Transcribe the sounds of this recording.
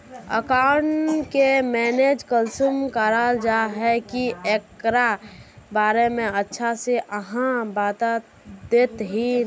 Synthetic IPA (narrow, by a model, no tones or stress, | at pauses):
ə̰kaʊɳʈkemɛːned͡ʒkəlsumkəɾad͡ʒaɦɛkieːkɾabaːɾemẽətːʃʰaseʔəɦãbaːt̪a | d̪eːt̪ɦi